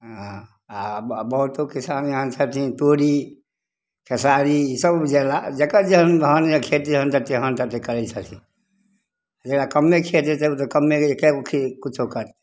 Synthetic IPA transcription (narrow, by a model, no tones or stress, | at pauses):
ɦã | abəɦut̪okisanɦənt͡ʃʰət̪ʰĩt̪oɾi | kʰesaɾisəbd͡ʒɛlad͡ʒekad͡ʒeɦənʱɦənekʰet̪iɦənt̪ət̪iɦənt̪ət̪ikəɾɛt͡ʃʰət̪ʰĩ | d͡ʒekɽakəmːekʰet̪it̪et̪okəmːekekʰikut͡ʃʰokəɾt̪